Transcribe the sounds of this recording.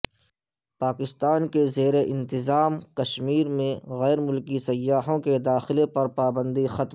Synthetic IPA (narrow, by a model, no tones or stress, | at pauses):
paːkɪst̪aːnkezeːɾeʔɪ̃nt̪ɪzaːmkɐʃmiːɾmẽɣɛːɾmʊlkisɐjːaːɦõked̪aːxɪlepɐɾpaːbə̃nd̪ixɐt̪